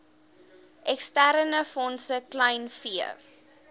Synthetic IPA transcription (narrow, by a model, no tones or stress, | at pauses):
ʔɛkstæɾənəfɔnsəklɐjnfiə̰